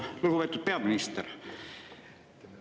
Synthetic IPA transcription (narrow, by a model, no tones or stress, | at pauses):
luhupet̪ːut̪̚peɑminist̪er